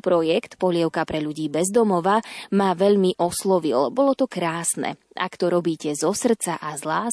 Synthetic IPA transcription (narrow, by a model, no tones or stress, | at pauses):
pɾɔjɛkt̪pɔɦʎɪɛʊkapɾɛʎuɟiːbɛzd̪ɔmɔʋamaʋɛʎmiʔɔslɔʋḭlbɔlɔt̪ɔkɾaːsnɛ̰ | a̰kt̪ɔɾɔbiːcɛzɔsr̩t͡saʔazla